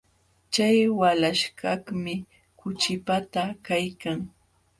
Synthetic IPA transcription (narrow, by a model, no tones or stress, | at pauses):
t͡ʃajwalaʃɢɑkmɪ | kʊt͡ʃɪpat̪akajkaŋ